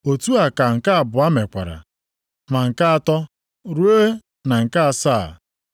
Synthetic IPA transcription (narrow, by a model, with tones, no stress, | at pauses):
o˨tu˦a˨ka˨ŋ̩˨ka˦a˨bʊ˨a˦me˨kʷa̰˨ɾa̰˨ | ma˨ŋ̩˨ka˦a˨tɔ˦ | ɾu˦e˦ | na˨ŋ̩˨ka˦a˨saː˦˨